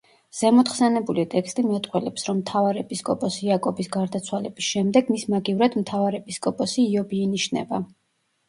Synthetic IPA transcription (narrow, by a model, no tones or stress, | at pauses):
z̥ɛmɔt̪χsɛnɛbulit̪ʼɛkst̪ʼimɛt̪ʼqʼwɛlɛpsɾɔmːt̪ʰavaɾɛpʼiskʼɔpʼɔsiakʼɔbisɡaɾd̪at̪sʰwalɛbisʃɛmd̪ɛɡmismaɡivɾad̪mt̪ʰavaɾɛpʰʼiskʼɔpʼɔsiːɔbiːniʃnɛ̰ba